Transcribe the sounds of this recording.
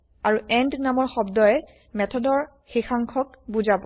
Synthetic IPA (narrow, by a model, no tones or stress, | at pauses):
aɹuɛndnamɔɹxɔbdɔjɛ | mɛtʰɔdɔɹ | xixaŋkʰɔk̚buzabɔ